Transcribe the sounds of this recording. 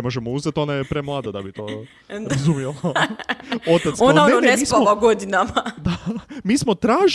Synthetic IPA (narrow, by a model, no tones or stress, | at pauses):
mo̞ʒemouzet̪o̞najepɾemlˠaːd̪ad̪a̰bit̪oː | ɾazumjela | o̞t̪at̪onnaoneoneemsiːsamoaɡod̪inamad̪amiːsmo̞t̪ɾaːʒ